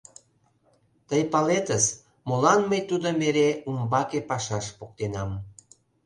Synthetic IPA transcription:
t̪əjpɑlet̪əs | molɑnməjt̪ud̪omeɾeumbɑkepɑʃɑʃpok̚t̪enɑm

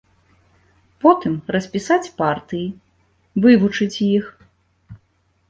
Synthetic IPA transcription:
pɔt̪ɨmrɐsʲpʲisat͡sʲpart̪ɨji | vɨvut͡ʂɨt͡sʲjix

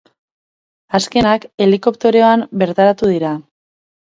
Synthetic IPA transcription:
aske̞nake̞liko̞pt̪e̞ɾeoambe̞ɾt̪aɾat̪uð̞iɾa

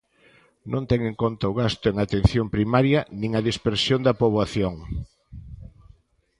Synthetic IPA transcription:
nõnt̪ɛŋeŋkont̪ɐʊɣast̪ʊeŋat̪enθjompɾimaɾjɐnĩŋɐðispeɾsjond̪ɐpoβaθjoŋ

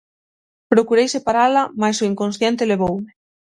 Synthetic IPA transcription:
pɾokuɾejsepaɾalamajsoiŋkõnsθjent̪eleβ̞owme

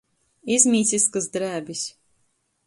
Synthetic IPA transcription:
izʲmʲiːt̪sʲiskasd̪ɾæːbʲis

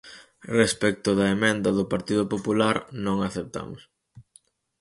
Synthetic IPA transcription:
respɛk̚t̪ʊðɐemẽnd̪ɐðʊpaɾt̪iðʊpopulaɾnõŋaθep̚t̪a̰mʊs

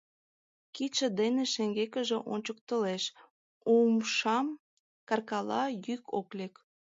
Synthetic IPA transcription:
kit͡ʃə̆d̪eneʃeŋɡekə̆ʒeʔo̰nʲt͡ɕək̚t̪əleʃ | umʃɑm | kɑrkɑlɑjyko̰klek

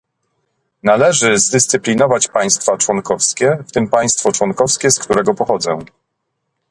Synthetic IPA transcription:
nalɛʐɘzd̪ɘst̪sɘplʲinɔvat͡ɕpaj̃st̪fat͡ʂwɔŋkɔfskʲɛft̪ɘmpaj̃st̪fɔt͡ʂwɔnkɔfskʲɛskt̪uɾɛɡɔpɔxɔd̪zɛ̰w̃

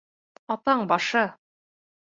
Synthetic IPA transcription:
ɑt̪ɑɴbɑʃɤ

